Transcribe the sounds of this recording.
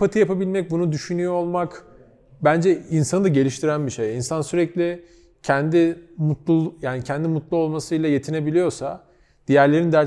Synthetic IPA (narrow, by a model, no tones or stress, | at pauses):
at̪ʰɯjapʰabilʲmɛc̚bunud̪yʃynyjoolˠmak | bænd͡ʒɛinsanɯd̪aɟe̞lʲiʃt̪ʰiɾænbiʃejinsansyɾɛclʲi | cʰɛnd̪imut̪lˠujaːnicʰɛnd̪imut̪lˠuo̞lˠmasɯjlˠaje̞t̪ʰine̞bilʲijo̞ɾsa | d̪̥ijæɾlʲe̞ɾind̪æ